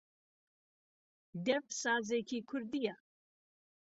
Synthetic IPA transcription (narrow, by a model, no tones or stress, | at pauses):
d̪ɛfsɑːzekʰikʷʰʊɾd̪ija